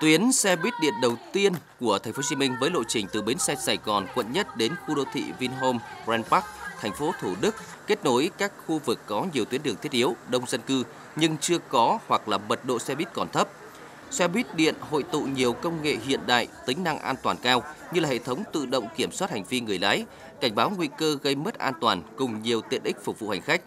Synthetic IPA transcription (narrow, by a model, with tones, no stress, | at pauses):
t̪wi˨˦ənsɛ˧ɓwi˦˥t̚ɗḭ˧˨ənɗə˨˩wt̪i˧ənku˧˩ət̪ʰɛ˨˩ŋ̟fo˨˦˥t͡ɕi˧mï˧ŋ̟vəː˨˦jlo̰˧˨jt͡ɕï˨˩ŋ̟t̪ɨ˨˩ɓe˨˦nsɛ˧zaː˨˩jɣɔ˨˩nkwə̰˧˨nɲə˦˥t̚ɗe˨˦nxu˧ɗo̰˧˨t̪ʰḭ˧˨vi˧nɦo˧mzɛ˧npa˦˥k̚t̪ʰa˨˩ŋ̟fo˨˦t̪ʰu˧˩ɗɨ˦˥k̚ | ke˦˥t̚no˨˦jkaː˦˥k̚xu˧vɨ˨˩kːɔ˨˦ɲi˨˩əwt̪wi˨˦ənɗɨ˨˩əŋt̪ʰi˦˥ət̚ʔi˨˦əwɗə˧wŋ͡mzə˧nkɨ˧ | ɲɨ˧ŋt͡ɕɨ˧əkɔ˨˦hwa˨˩k̚laː˨˩mə˨˩t̚ɗo̰˧˨swɛ˧ɓi˦˥t̚kɔ˨˩nt̪ʰə˦˥p̚ | swɛ˧ɓi˦˥t̚ɗḭ˧˨ənho̰˧˨jt̪ṵ˧˨ɲi˨˩əwkə˧wŋ͡mŋḛ˧˨ɦḭ˧˨ənɗa̰ː˧˨jt̪ï˨˦ŋ̟na˧ŋʔaː˧nt̪waː˨˩nkaː˧wɲɨ˧laː˨˩hḛ˧˨t̪ʰə˨˦wŋ͡mt̪ɨ̰˧˨ɗə̰˧˨wŋ͡mki˧˩əmswa˦˥t̚ha˨˩ŋ̟vi˧ŋɨ˨˩əjlaː˨˦j | ka˧˩jŋ̟ɓaː˨˦wŋwi˧kəː˧ɣə˧jmə˦˥t̚ʔaː˧nt̪waː˨˩nkʊ˨˩ŋ͡mɲi˨˩əwt̪ḭ˧˨ənʔï̟˦˥fʊ˨˩k̚vṵ˧˨ha˨˩ŋ̟xa˦˥jk̟̚